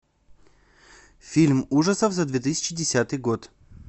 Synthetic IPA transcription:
fʲilʲmuʐəsəfzɐd̪vʲet̪ɨsʲɪ̥t͡ɕɪdʲɪsʲat̪ɨjɡot̪

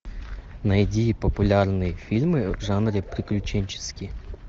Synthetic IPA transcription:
nɐjdʲipɐpʊlʲarnɨjfʲilʲmɨʐanɾʲɪpɾʲɪklʲʊt͡ʃɛnʲt͡ʃɪ̥skʲi

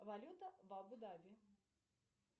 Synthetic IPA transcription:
valʲut̪ɐvabud̪avʲi

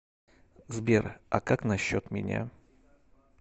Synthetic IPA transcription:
zbʲerɐkaknɐɕːot̪mʲɪ̰nʲa̰

